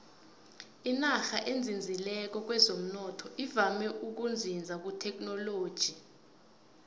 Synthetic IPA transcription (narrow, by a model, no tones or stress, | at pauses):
inaxaʔend͡zʱind͡zʱilɛk̬ɔk̬wɛzom̩nɔtʰɔʔivamɛʔuk̬und͡zʱind͡zʱak̬utʰɛk̬ʼnɔloːd̥ʒ̥ʱi